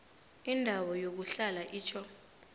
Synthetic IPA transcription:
indʱawɔjok̬uɬalaʔiːt͡ʃʰɔ

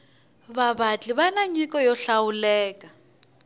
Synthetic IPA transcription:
βaβat͡ɬʼiβanaɲikɔjɔɬawulɛːka

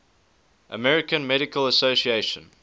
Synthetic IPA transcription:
ʔə̰mɛɹɪkə̃nmɛɾɪkələsosieɪʃə̰̃n

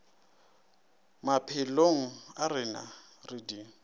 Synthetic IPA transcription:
mapʰɪloŋ̩arɪna̰ | rɪdi

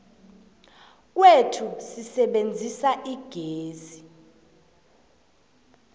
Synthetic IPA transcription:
k̬wetʰusisɛɓend͡zʱisaʔiɡ̥ʱeːzi

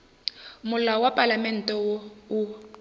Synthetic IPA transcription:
mʊlawapʼalamɛn̩tʼɛwɔu

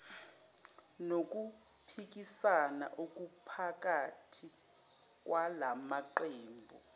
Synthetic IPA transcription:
nok̬u | pʰik̬isana̰ʔok̬upʰak̬atʰi | k̬walamaǃeːmbʱɔ

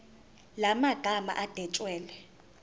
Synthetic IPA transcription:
lamaɡ̥ʱama̰ʔad̥ʱɛt͡ʃʼwɛːlɛ

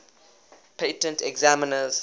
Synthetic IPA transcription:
pʰeɪtə̃ntɛɡzamənəz

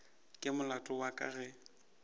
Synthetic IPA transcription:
kʼɪmʊlatʼɔwakʼa̰ɣɛ

